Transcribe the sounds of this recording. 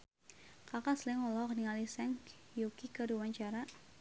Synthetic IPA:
kakaslɛŋɔlɔkniŋalisɛŋkjokikəɾuwaɲt͡ʃaɾa

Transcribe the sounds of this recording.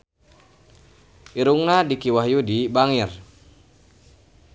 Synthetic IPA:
ʔiɾuŋnadikiwaɦjudibaŋir

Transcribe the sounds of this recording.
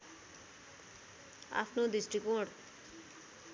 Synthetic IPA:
a̰pʰnod̪isʈikoɽ

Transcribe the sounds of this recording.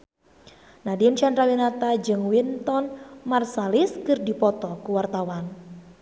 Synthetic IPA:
nadimt͡ʃanɾawinat̪ad͡ʒɨŋwint̪ɔnmarsaliskɨrdipɔt̪ɔkuwart̪awan

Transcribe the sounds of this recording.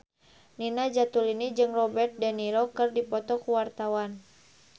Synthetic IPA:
ninad͡ʒat̪ulinid͡ʒɨŋrɔbɛrt̪̚dɛnilɔkɨrdipɔt̪ɔkuwart̪awan

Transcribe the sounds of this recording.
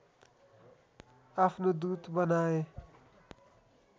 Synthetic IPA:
apʰnod̪ut̪bʌnae

